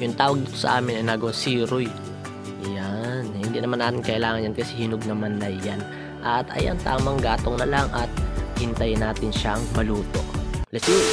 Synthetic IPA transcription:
jʊŋt̪aːwɐɡ̚d̪it̪o̞sɐ̰ʔaːmɪnɐjnaɡɐwasiːɾʊj | janhɪnd̪iːnɐmanːaːmɪŋkɐʔɪlaːŋɐnjankɐsɛhɪnoɡ̚nɐmanlɐjːan | ʔɐt̪ɐ̰ja̰nt̪a̰ːmɐŋɡaːt̪oŋnɐlaŋʔɐt̪̚hɪnt̪ajnaːt̪ɪnʃaʔɐŋbɐluːt̪o̞̰ʔlɛsi

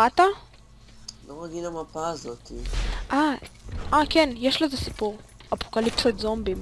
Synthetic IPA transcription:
at̪a | lomaɡilamapaːzot̪iʔaʔakenjeʃlazesi̥puʁapokalipsotzombim

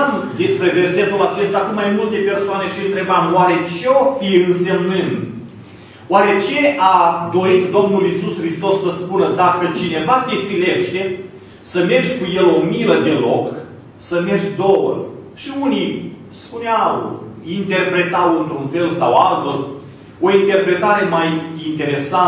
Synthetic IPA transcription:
m | d̪e̞spɾe̞ve̞rse̞t̪ulat͡ʃe̞st̪akumːajmult̪e̞pe̞rsoane̞ʃiɨnt̪ɾe̞bamoaɾe̞t͡ʃeofiɨnse̞mnɨnd̪ | oaɾe̞t͡ʃe̞ʔad̪o̞ɾit̪d̪o̞mnulisusxɾist̪o̞sːəspunəd̪akət͡ʃine̞vat̪efileʃt̪e | səme̞rʒʲkuje̞lo̞miləd̪e̞lo̞k | səme̞rd͡ʒʲd̪owə̰ | ʃiuni | spuneawint̪e̞rpɾe̞t̪awɨnt̪ɾunfe̞lsawalt̪ə | o̞int̪e̞rpɾe̞t̪aɾe̞majint̪e̞ɾe̞sa

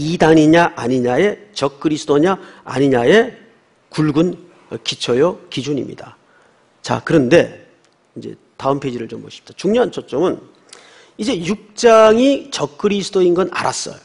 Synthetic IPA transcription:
idaŋiɲaʔaɲiɲae̞t͡ɕʌk͈̚ʰːɯɾisʰɯdʰoɲaa̰ɲiɲae̞ | kuɭɡun | kit͡ɕʰʌjʌkid͡ʑuɲḭmɲḭd̥a | t͡ɕa̰kɯɾʌnde̞ | ind͡ʑe̞̰ | taɯmpʰe̞d͡ʑiɾɯɭt͡ɕomboɕʰi̥p̚ʰi̥d̥at͡ɕuŋɲʌɦant͡ɕʰot͡ɕ͈ʌmɯn | id͡ʑe̞juk̚t͡ɕ͈aŋit͡ɕʌk̚k͈ʰɯɾisʰɯdoinɡʌna̰ɾa̰s͈ʌ̰jo

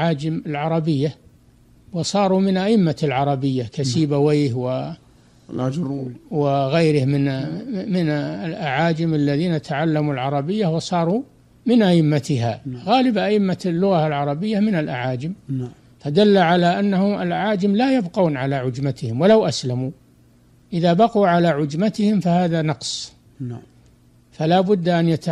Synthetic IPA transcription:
ʕaːd͡ʒɪmɪlʕɑɾˤɑbɪjːa | wɨsˤɑːɾˤumɪnʔaʔɪmːalʕɑɾˤɑbɪjːakasiːbaweːhwɪ | wɪɣajɾɪhmɪnmɪnlʔaʕaːd͡ʒɪmalːaðiːnat̪ʰaʕalːamulʕɑɾˤɑbɪjːahwɨsˤɑːɾˤu | mɪnʔaʔɪmːat̪ɪɦaɣaːlɪbʔaʔɪmːalːʊɣalʕɑɾˤɑbɪjːamɪnalʔaʕaːd͡ʒɪm | fad̪alːaʕalaʔanːahʊma̰lʔaʕaːd͡ʒɪmlajabquːnʕalaʕʊd͡ʒmat̪ɪhɪmwalawʔaslamu | ʔɪðaːbɑquːʕalaʕʊd͡ʒmat̪ɪhɪmfahaːðanɑqsˤ | falaːbʊd̪ːʔanjat̪

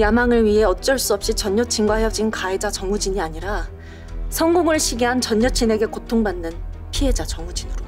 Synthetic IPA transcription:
jamaŋɯɭɥiɦe̞ʌt͡ɕ͈ʌɭs͈uʌp̚ɕ͈it͡ɕʌɲːʌt͡ɕʰinɡwaɦeʌd͡ʑinkaed͡ʑat͡ɕʌŋud͡ʑiɲiaɲiɾa | sʰʌŋɡoŋɯɭɕʰiɡiɦant͡ɕʌɲːʌt͡ɕʰine̞ɡe̞kotʰoŋbanːɯnpʰie̞d͡ʑat͡ɕʌŋud͡ʑinɯɾo

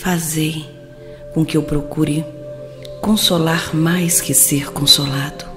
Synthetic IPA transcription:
fazej | kõkɪewpɾokuɾɪ | kõsolaɾmajskɪseɾkõsolad̪ʊ

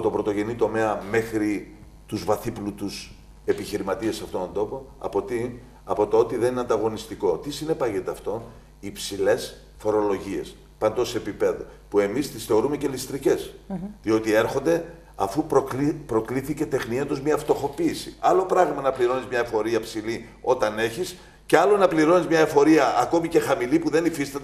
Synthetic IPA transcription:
t̪obɾo̞t̪o̞ʝe̞nit̪o̞me̞ɐme̞xɾi | t̪uzvɐθiplut̪us | e̞piçiɾimɐt̪iesɐft̪ot̪ond̪o̞po̞ɐ̰pot̪i | ɐpo̞t̪oo̞t̪iðe̞nineɐnd̪ɐɣo̞nist̪iko̞t̪isine̞pɐʝet̪eɐft̪o̞ | ipsile̞s | fo̞ɾo̞lo̞ʝie̞̰s | pɐnd̪oseepipe̞ðopue̞mist̪isθe̞o̞ɾume̞ce̞list̪ɾice̞sðio̞t̪ie̞ɾxo̞nd̪e̞ | ɐ̰fuppɾo̞kliθice̞t̪e̞xnient̪ozmɲɐːft̪o̞xo̞piːsiɐlo̞pɾɐɣmɐnɐpliɾo̞nizmɲɐefo̞ɾiɐpsilio̞t̪ɐne̞çis | ce̞ɐlo̞nɐpliɾo̞nizmɲɐefo̞ɾiɐʔːko̞mice̞xɐmilipuðe̞nifist̪ɐt̪e

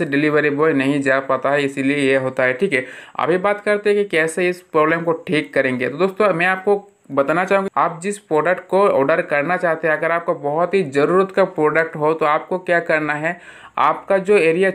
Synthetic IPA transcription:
seɖɪlɪʋəɾiboːnɐɦĩd͡ʒaːpaːt̪aɦɛɪsiliejeɦoːt̪aɦɛʈʰiːkɛɐ̰bʱibaːt̪kɐɾt̪eɦɛ̃kikɛːseɪspɾoːblɛːmkoʈʰiːkːɐɾẽːŋɡet̪od̪oːst̪õmɛ̃aːp̚ko | bɐt̪anat͡ʃaːɦũŋɡkaːp̚d͡ʒɪspɾoːɖəkʈ̚koɔ̰ːɖəɾkɐɾnat͡ʃaːɦt̪eɦɛ̃ɐɡəɾaːp̚kabɐɦʊt̪ɦid͡ʒɐɾuːɾət̪kapɾoːɖək̚ʈɦot̪oaːp̚kokjaːkɐɾnaɦɛ | a̰ːpkad͡ʒoːeːɾija

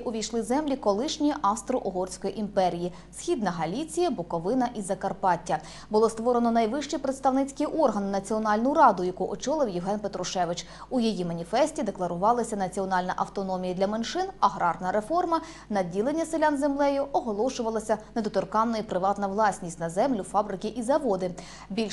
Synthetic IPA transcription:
ʔʊʋʲijʃlˠɪzɛmlʲikɔlˠɪʃnʲiʔɐst̪ɾɔʔɔɦɔrsʲkɔjiʔimpɛɾʲiji | sxʲid̪nɐɦɐlʲit͡sʲijɐbɔkɔʋɪnɐʔizɐkɐrpɑtʲːɐ | bʊlˠɔst̪ʋɔɾenɔnɐjʋɪʃt͡ʃipɾet̪st̪ɐʋnɪt͡sʲkɪjʔɔrɦɐnɪnɐt͡sʲiɔnɑlʲnʊɾɑd̪ʊjɐkuʔɔt͡ʃɔlˠɪwjɪɦɛnpet̪ɾʊʃɛʋɪt͡ʃ | ujijimɐnʲifɛsʲtʲid̪eklˠɐɾʊʋɑlˠɐsʲɐnɐt͡sʲiɔnɑlʲnɐʔɐwt̪ɔnɔmʲijɐd̪lʲɐmenʃɪnɐɦɾɑrnɐɾefɔrmɐ | nɐdʲilˠenʲːɐselʲanzemlˠɛjʊʔɔɦɔlˠɔʃʊʋɐlˠɐsʲɐned̪ɔt̪ɔrkɑnːɔipɾɪʋɑt̪nɐʋlˠɑsʲnʲisʲtʲnɐzɛmlʲʊfɑbɾɪkɪʔizɐʋɔd̪ɪ | bʲilʲ

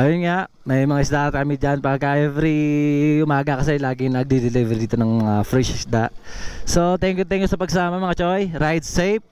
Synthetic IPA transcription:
ʔɐjonŋaʔ | mɐjmɐŋaɪsd̪aʔt̪kɐmid͡ʒanpakaʔɛvɾiʔʊmaːɡɐkɐs̬ɛlaːɡɪŋnɐɡ̚d̪id̪ɪlivɛɾd̪iːt̪onɐŋmɐŋafɾɛʃɪsd̪aʔsot̪ɛŋkjʊt̪ɛŋkjʊsɐpɐɡ̚sɐsaːmɐmɐŋat͡ʃojɾajd̪sejp̚

